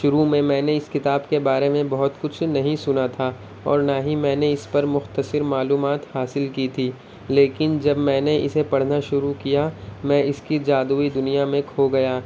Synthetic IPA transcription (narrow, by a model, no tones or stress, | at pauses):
ʃʊɾumẽmɛ̃ːneɪskɪt̪aːbkebaːɾemẽbɐɦʊt̪kʊt͡ʃʰnɐɦĩsʊnat̪ʰa | ɔ̰ːɾnaːɦĩmɛ̃ːneɪspɐɾmʊxt̪əsɪɾmaːluːmaːt̪haːsɪlkit̪ʰiː | leːkɪnd͡ʒɐbmɛ̃ːneʔɪsepɐɽ̤naʃʊɾukijamɛ̃ʔɪskid͡ʒaːd̪uːid̪ʊnijamẽkʰoɡɐjaː